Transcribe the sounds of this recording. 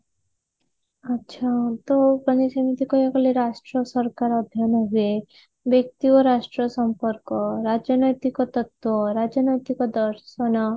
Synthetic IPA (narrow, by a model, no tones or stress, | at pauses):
ʌtːʃʰat̪opɾɔnisɔmit̪ikɔjakɔleɾasʈɾɔsɔɾkaɾɔd̪ʱjɔnɔɦue | bjek̚t̪iɔɾasʈɾɔsɔmpɔɾkɔɾad͡ʒɔnɔjt̪ikɔt̪ɔt̪wɔɾad͡ʒɔnɔjt̪ikɔd̪ɔɾsɔnɔ